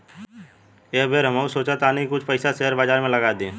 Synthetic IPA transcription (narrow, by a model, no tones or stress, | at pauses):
eɦbeːɾɦəmausoːt͡ʃat̪aːnəɦĩkʊt͡ʃʰpɐɪsasɛɦəɾbaːzaːɾmẽlɐɡaːd̪ẽː